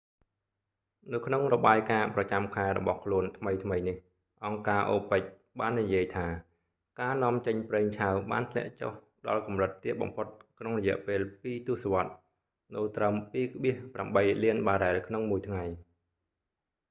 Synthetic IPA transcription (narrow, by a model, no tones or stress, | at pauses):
nɨwkʰnoŋrɔɓaːjkaːprɑt͡ɕamkʰaɛɾɔ̰ɓɑhkʰluənt̪ʰməjt̪ʰməjnih | ʔɑŋkaːʔoːpəc̚ | ɓaːnːijiəjt̪ʰaː | kaːnŏəmt͡ɕəɲpreːŋt͡ɕʰawɓa̰ːnt̪ʰlɛ̆əʔt͡ɕo̰h | ɗɑ̰lkumrɨt̪ːiət̪̚ɓɑ̰mpʰot̪̚kʰnoŋrɔjɛ̆əʔpeːlpiːt̪ŭəsoʋŏət̪̚ | nɨwt̪rəmpiːkʰɓiəhpramɓəjliənɓaːɗaɛlkʰnoŋmuəjt̪ʰŋaj